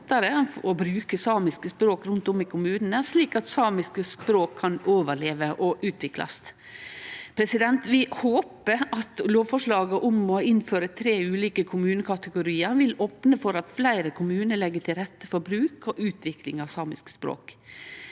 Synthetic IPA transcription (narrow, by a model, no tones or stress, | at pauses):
t̪ːəɾəɔbɾʉːkəsɑːmɪskəspɾoːkɾʉnt̪ʊmɪkʰʊmʉːnən̩əsliːkɑt̪sɑːmɪskəspɾoːkʰːɑnoːʋəleːʋəʔɔʔʉːt̪ʰʋɪklɑ̰st̪ | pʰɾɛsɪd̪ɛnt̪ʋɪhoːpəɑt̪loːʋfɔʂɭɑːɡəʔʊmɔɪnføːɾət̪ʰɾeːʉːliːkəkʰʊmʉːnəkʰɑt̪əɡʊɾiːəɾʋɪloːpnəfɔɾɑt̪flæɪɾəkʰʊmʉːnəlɛɡːəʈʰɪlɾɛt̪ːəfɔɾbɾʉːkɔʔʉːt̪ʰʋɪklɪŋɑʋsɑːmɪskə̥spɾo̰ːk